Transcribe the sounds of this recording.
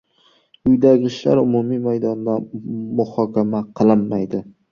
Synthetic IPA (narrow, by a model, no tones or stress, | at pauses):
ʊjd̪aɡʲɪʃlaɾʊmumijmajd̪ɒnd̪amʊhɒkʲamaqʰɨlˠɪmːajd̪ɪ